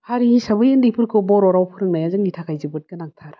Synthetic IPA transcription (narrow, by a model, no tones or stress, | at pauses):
haɾisabɯjendipʰɯɾkʰɯbɔɾɔɾawpʰɯɾɯŋnajazɯŋnitʰakʰajzɯbɯt̚kɯnaŋtʰaɾ